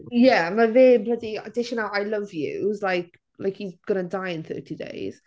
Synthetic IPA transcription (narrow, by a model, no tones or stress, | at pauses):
jɛmaveːmbədiə̰dɪʃənalˠajlʌvjʉ̰zlajk̚ | la̰jkiɡ̥ʌɾə̃ndajɪ̃nθɜ̰tʰidḛɪz̥